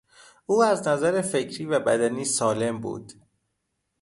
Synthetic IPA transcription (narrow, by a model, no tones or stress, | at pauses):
uːæznæzæɾefe̞cʰɾiːvæbæd̪æniːsɒːle̞mbṵːd̪̥